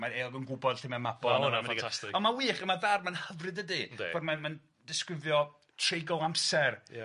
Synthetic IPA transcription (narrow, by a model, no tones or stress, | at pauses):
maeːɔɡənɡʊbɔd̥ɬɪmɛmabɔaiastɪɔnmawiːχəmaðarmanhəvrɨdədɨv̥ɔdmanman | dɪskrɪvjɔ | tʰrejɡɔlˠampsɛr